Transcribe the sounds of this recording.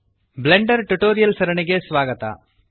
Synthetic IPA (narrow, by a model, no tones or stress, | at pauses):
bleɳɖɐɾʈuʈoːɾɪjɐlsɐɾɐɳɪɡeːsʋaːɡɐt̪a̰ː